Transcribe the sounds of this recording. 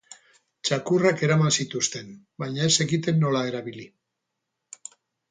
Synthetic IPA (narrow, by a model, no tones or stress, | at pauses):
t͡ʃakurake̞ɾamansit̪ust̪e̞n | bajɲae̞se̞ɣit̪e̞nːo̞lae̞ɾaβili